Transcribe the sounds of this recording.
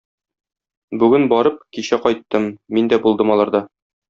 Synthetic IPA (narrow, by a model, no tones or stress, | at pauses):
bʉɡɘnbɒɾɤp̚kiɕæqɒjt̪ːɤmːind̪æbulˠd̪ɤmɒlˠɑɾd̪ɑ